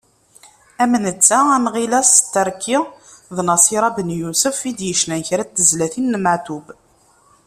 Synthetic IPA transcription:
æmənət͡sːaænʁilæst̪ːəɾˤkʰːiðnɑsiɾˤɑbənjusəfid̪jəʃnænçɾæt̪ːəzlæθinːməʕt̪ub

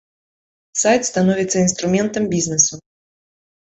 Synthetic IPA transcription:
sajt̪st̪anɔvʲit̪sːɐinst̪ɾʊmʲɛnt̪ɐmbʲiznɨsu

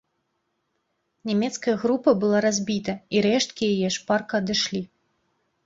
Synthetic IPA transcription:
nʲɛmʲɛt̪skɐjɐɣɾupɐbɨlˠaɾazʲbʲit̪ɐiɾɛʂt̪̚kʲijajɛʂparkɐːd̪ɨʂlʲi

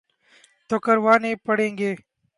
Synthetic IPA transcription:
t̪oːkəɾʋaːneːpəɽẽːŋɡeː

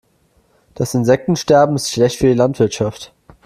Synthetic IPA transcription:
d̥asɪnzɛk̚tn̩ʃtɛɐbm̩ɪstʃlɛçtfyɐdilantv̥ɪɐtʃaft

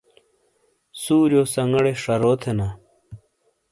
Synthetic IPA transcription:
suːɾjoːsɐŋɡɐɽeʂɐɾoːt̪ʰena

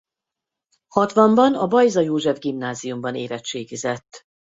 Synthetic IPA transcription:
hɒt̪ʋɒmbɒnɒbɒjzɒjoːʒɛvɡimnaːzijumbɒneːvɛt͡ʃt͡ʃeːɡizɛt̪ː

